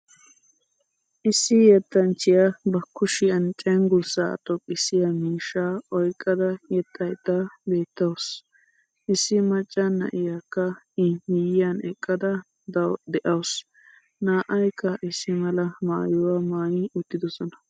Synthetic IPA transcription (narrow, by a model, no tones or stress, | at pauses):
ʔɪsːɪjɛt̪ːɐnt͡ʃːɪjabɐkːʊʃɪɐnt͡ʃʼɛŋɡʊsa̰ːt̪ʼɔkʼːɪsɪjamiːʃːaːɔjkʼːɐd̪ɐjɛt̪ʼːɐjt̪ɐbe̞ːt̪ːɐws | ʔɪsːɪmɐt͡ʃʼːɐnːɐ̰ʔɪjakːɐ | ɪmɪjɪjɐnɛkʼːɐd̪ɐ | d̪ɐwd̪ɛʔɐws | naːʔɐjkːɐʔɪsːɪmɐlɐma̰ːjʊwamaːjɪʊt̪ːɪd̪ɔsɔnɐ